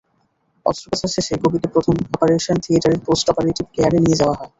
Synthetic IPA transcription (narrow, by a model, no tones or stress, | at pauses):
ɔ̰stopat͡ɕʰaɾʃeʃeɡobʱit̪epɾot̪ʰomɔpoɾeʃont̪ʰieʈaɾeɾposʈɔpeɾeʈibkeaɾenijed͡ʑaoaɦɔe